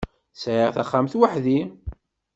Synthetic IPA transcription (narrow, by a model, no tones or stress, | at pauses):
sʕəʁθaχːamθwaħði